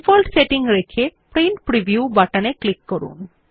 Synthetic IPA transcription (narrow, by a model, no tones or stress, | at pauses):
fɔlʈseʈiŋɾekʰepɾenʈpɾibʱjubaʈaneklikːoɾṵn